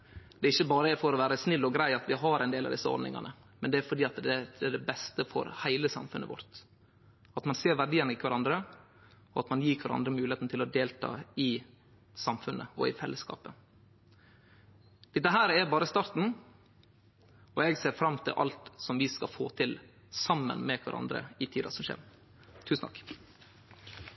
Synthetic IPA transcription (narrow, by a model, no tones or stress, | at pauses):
d̪̥ɛɪçːəbɑːɾəɛfɔɾɔʋæːɾəsnɪlːɔɡɾæɪɑt̪ʋɪɦɑɾɛɪnd̪eːlɑ̰ʋd̪ɪsːəɔ̰ɾd̪nɪ̰ŋɑ̰nə | mɛnd̪ɛæɾfɔɖiːɑt̪d̪ɛɛɖɛbɛst̪əfɔ̰ɾhæɪləsɑ̰mfʉnʔə̰ʋɔ̰ɾt̪ | ɑt̪mɑnseːɾʋæɖiːənəɪkʰʋɑɾɑnd̪ɾə | ɔɑt̪mɑnjiːkʰʋɑɾʔɑ̰nd̪ɾəmʉːlɪeːt̪n̩t̪ʰɪlɔd̪eːlt̪ʰɑ̰ːɪ | sɑmfʉnʔəɔ̰ɪfɛlːəskɑ̰ːpə | d̪̥ɛt̪ːəɦæːɾɛbɑːɾəst̪ɑɾt̪n̩ | ɔɛːɡseːɾfɾɑmt̪ʰɪ̰lʔɑ̰lt̪sɔmʋɪskɑfoːt̪ʰɪl | sɑmːə̰nmɛkʰʋæ̰ɾɑ̰nd̪ɾə̰ɪt̪ʰiːd̪ɑ̰sɔmʃḛːɾ | t̪ʰʉːsn̩ʰɑkː